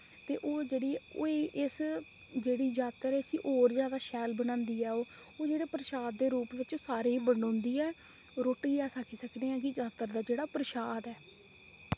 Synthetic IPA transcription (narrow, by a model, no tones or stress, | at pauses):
t̪eːʔoːd͡ʒeːɽiːoʔɪs | d͡ʒeːɽiːd͡ʒaːt̪ːəɾɛːəsḭ̃ːʔoːɾzjaːd̪aːʃɛːlbənãːnd̪iːɛːoː | oːd͡ʒeːɽeːpɾəʃaːd̪̚ːeːɾuːpʋɪt͡ʃsaːɾĩːbəɽõːnd̪iːɛː | ɾoːʈiːɛːsakʰiːsəkneːɛ̃ːkɪd͡ʒaːt̪ːəɾd̪aːd͡ʒeːɽaːpɾəʃaːd̪ɛː